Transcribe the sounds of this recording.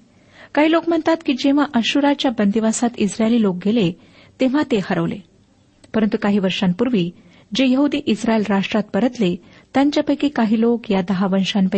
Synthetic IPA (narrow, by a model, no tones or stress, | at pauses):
kaɦiːlokm̤əɳt̪at̪kiːd͡ʑeʋ̤aʔəɕuɾat͡ɕjabənd̪iʋasat̪isɾajliːlok̚ɡʱele | t̪eʋ̤at̪ehəɾəʋlḛ | pəɾənt̪ukaɦiːʋəɾʂampuɾʋiː | d͡ʑejəɦud̪iːʔisɾaelɾaʂʈɾat̪̚pəɾət̪le | t̪jaɲt͡ɕjapəjkikaɦiːlokjad̪əɦaʋənʂanpə